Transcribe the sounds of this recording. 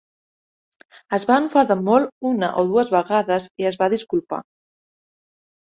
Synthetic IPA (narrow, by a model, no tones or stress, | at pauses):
əzβaəɱfaðamɔluna̰ʔoðuəzβaɣaðɐsiəzβaðiskulpa̰